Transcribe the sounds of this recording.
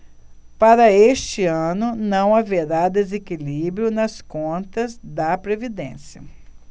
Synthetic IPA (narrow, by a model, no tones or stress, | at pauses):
paɾɐeʃt͡ʃɪɐ̃nʊnɐ̃w̃aveɾad̪ezekilibɾjʊnɐskõnt̪ɐzd̪ɐpɾevid̪ḛ̃sjɐ